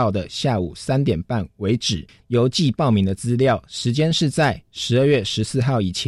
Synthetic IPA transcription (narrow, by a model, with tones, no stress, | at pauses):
ʊd̪ə˩ɕja˥˩ṵ˨˩sa˥nt̪jɛ˨˩npa˥˩nwe˧˥ɪʈ͡ʂɻ̩˨˩ | jo˧˥ʊt͡ɕi˥˨pɑ˥˩ʊmi˧˥ŋd̪ə˧t͡sɹ̩˥ljɑ˥˨ʊʂɻ̩˧˥t͡ɕjɛ˥nʂɻ̩˥˧t͡sa˥˩ɪʂɻ̩˧˥ə˥˧ɥɛ˥˩ʂɻ̩˧˥sɹ̩˥˧xɑ˥˩ʊi˨˩t͡ɕʰ